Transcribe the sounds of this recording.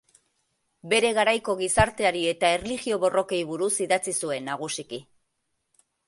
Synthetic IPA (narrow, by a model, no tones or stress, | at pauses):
be̞ɾe̞ɣaɾajko̞ɣ̞isaɾt̪e̞aɾie̞t̪ae̞rliɣio̞βo̞ro̞ke̞jβ̞uɾusiðat͡sisue̞nːaɣ̞usiki